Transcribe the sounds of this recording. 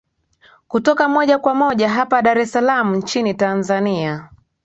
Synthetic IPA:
kutɔkamɔʄakwamɔʄaɦapaɗaɾɛsalam̩ɲ̩t͡ʃinitanzania

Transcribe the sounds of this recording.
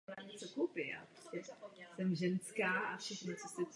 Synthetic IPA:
laɲɛt͡sokowpɪʔa̰ppɾoscɛsɛmʒɛnskaːʔafʃɛxnat͡sosɛ

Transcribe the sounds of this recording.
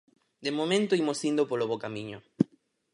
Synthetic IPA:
d̪emomẽnt̪oimosind̪opoloβokamĩɲo

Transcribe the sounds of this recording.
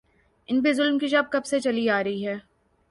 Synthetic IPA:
ɪnbizʊlmkiʃɐb̚kɐbset͡ʃɐliaːɾɐɦiɦɛː

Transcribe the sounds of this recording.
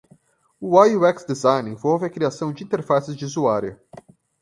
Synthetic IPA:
ʊajuɛksd̪ezajnĩfovɐkɾiasɐ̃w̃d͡ʒɪĩnt̪eɾfasɪzd͡ʒɪuzuaɾjɐ

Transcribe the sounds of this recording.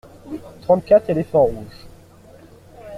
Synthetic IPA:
t̪χɑ̃t̪̚kʲat̪χelefɑ̃ʁuʒ

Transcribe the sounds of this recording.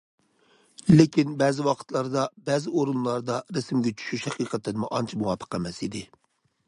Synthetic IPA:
lɪkʲʰinbɛːzɪwɑqʰə̥t̪lˠɑɾd̪ɑbɛːzɪoɾunlˠɑɾd̪ɑɾesɪmɡʲɛt͡ʃʰy̥ʃyʃhɛqʰiqʰət̪ːɪnmuʔɑnt͡ʃʰimuwɑːpʰə̥qæmɛsid̪ɪ

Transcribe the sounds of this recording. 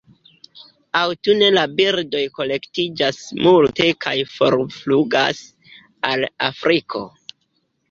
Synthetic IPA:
awtune̞labiɾdo̞jko̞le̞ktid͡ʒasmulte̞kʰajfo̞̰ɾfluɡa̰s | ala̰fɾʔikʰo̞̰

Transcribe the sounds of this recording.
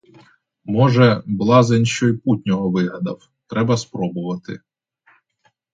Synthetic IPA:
mɔʒɛblˠɑzenʲʃt͡ʃɔjiput̪ʲnʲɔɦɔʋɪɦɐd̪ɐw | t̪ɾɛbɐspɾɔbʊʋɐt̪ɪ̰

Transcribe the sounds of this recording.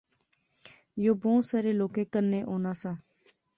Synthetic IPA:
joːbõːsaːɾeːloːkeːkəɾnẽːʔoːnaːsãː

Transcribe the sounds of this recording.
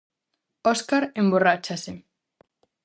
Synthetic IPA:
oskaɾemborat͡ʃase

